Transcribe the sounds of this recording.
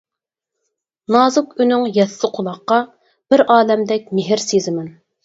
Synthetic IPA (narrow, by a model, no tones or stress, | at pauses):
nɑːzʊkynyŋjɛsːɪqʰʊlˠɑχqːɑ | b̥ɪɾʔɑːlɛmd̪ɛk̚ʲmɪɦɪɾsezɪmɛn